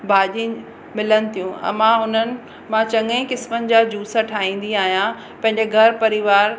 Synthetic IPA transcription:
bʱaːʄĩ | mɪlənɪ̆t̪ʰijũɛ̰mãɦʊnənɪ̆ | mãt͡ɕɐ̃ŋə̃kɪsmənɪ̆d͡ʑaːd͡ʑuːsaʈʰaːɦĩːn̆d̪iaːɦijã | pɐ̃ɦɪ̃ɲd͡ʑeɡʱɐɾpɐɾɪʋaːɾ

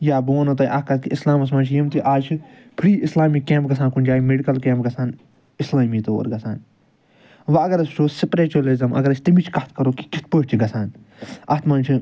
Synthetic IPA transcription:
jaːboːnot̪ɐjʔɐkɐt̪kiislaːmɐs̬mɐnt͡ʃʰjimt̪iʔaːt͡ʃʰi | pʰɾiːʔislaːmikːẽːmp̚ɡɐsʰaːnkund͡ʒaːimeɖikɐlkẽːmp̚ɡɐsʰaːn | ɪslaːmiːt̪oːɾɡɐsʰaːn | ʋɐɐɡɐɾɐst͡ʃʰoːsipɾeːt͡ʃolizɐmʔɐ̰ɡɐɾɐt͡ʃʰt̪imit͡ʃʰkɐt̪ʰkɐɾoːki̥kit̪̚ʰpot͡ʃʰiɡɐsaːnɐt̪ʰmɐːnt͡ʃʰi

